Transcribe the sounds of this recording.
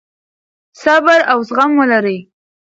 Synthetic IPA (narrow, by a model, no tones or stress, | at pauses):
sabaɾawsɣamwəlaɾəj